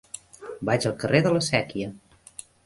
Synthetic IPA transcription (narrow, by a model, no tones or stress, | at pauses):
bad͡ʒəlˠkəreðələsɛkiə